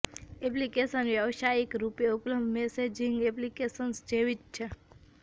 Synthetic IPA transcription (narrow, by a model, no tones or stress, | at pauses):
eplikesənʋjəʋʃaikɾupjeupləmd̪ʱmesed͡ʒĩŋɡeplikesənsd͡ʒeʋit͡ʃt͡ʃʰe